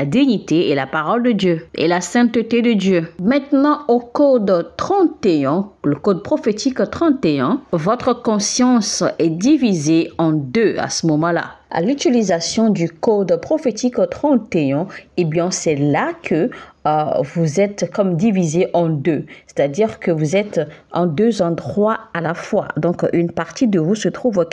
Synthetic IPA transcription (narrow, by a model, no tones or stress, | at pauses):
lad̪iɲit̪eɛlapaʁɔld̪əd̪jøɛ̰lasɛ̃t̪ət̪ed̪əd̪jømɛ̃t̪nɑ̃okod̪t̪χɑ̃t̪eɛ̃ləkod̪̚pχɔfet̪ikt̪χɑ̃t̪eɛ̃vɔt̪χəkɔ̃sjɑ̃sɛd̪ivizeɑ̃d̪øa̰səmɔmɑ̃la̰ | a̰lyt̪ilizasjɔ̃d̪ykɔd̪pχɔfet̪ikt̪χɑ̃t̪eɛ̃ebjɛ̃sɛlakʰə | vuzɛt̪kɔmd̪ivizeʔɑ̃d̪øsɛ̥t̪ad̪iʁkəvuzɛt̪ɑ̃d̪øzɑ̃d̪ʁwaalafwa̰d̪ɔ̃kynpaʁt̪id̪əvusət̪χuv